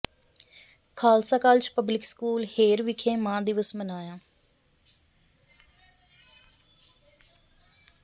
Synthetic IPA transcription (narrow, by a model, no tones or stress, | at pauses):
kʰaːlsaːkaːlt͡ʃpəblɪkskuːlheːɾʋɪkʰẽːmãːd̪ɪʋəsmənaːjãː